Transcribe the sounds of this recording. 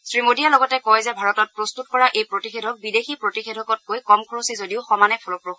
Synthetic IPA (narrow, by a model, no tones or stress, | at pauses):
sɹimodijalɔɡɔtɛkɔjzɛbʱaɹɔtɔt̚pɹɔstutkɔɹaʔejpɹotixedʱɔk̚bidexipɹotixedʱɔkɔt̚kojkɔmkʰɔɹosizodiʊxɔmanɛpʰɔlɔpɹɔx